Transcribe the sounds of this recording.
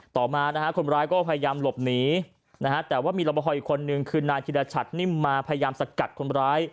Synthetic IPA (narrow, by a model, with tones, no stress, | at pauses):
t̪ɔː˨˩maː˧na˦˥kʰa˦˥kʰo˧nɾaː˦˥jkɔː˥˩pʰa˧ja˧jaː˧mlo˨˩p̚niː˨˦˥ | na˦˥kʰa˦˥t̪ɛː˨˩waː˥˩miː˧lmʔɔ˧ɦɔ˧˩ʔiː˨˩kʰːo˧nːɯ˨˧ŋkʰɯː˧naː˧jk̪ʰi˧naː˧t͡ɕʰa˨˩t̪̚ni˥˩mːaː˧pʰja˧jaː˧msa˧ka˨˩t̪̚kʰo˧nɾaː˦˥j